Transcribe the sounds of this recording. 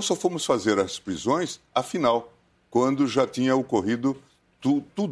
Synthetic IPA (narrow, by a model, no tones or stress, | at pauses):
sɔfõmʊsfazeɾɐspɾizõj̃sɐfinaw | kwɐ̃nd̪ʊʒat̪ĩɲɐokoɦid̪ʊ | t̪ut̪ud̪